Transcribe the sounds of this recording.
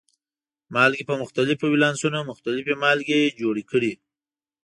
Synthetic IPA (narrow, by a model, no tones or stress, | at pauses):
mɑlkepəmʊxt̪alɪfowilɑnsunomʊxt̪alɪfemɑlkejed͡ʒoɽikəɽi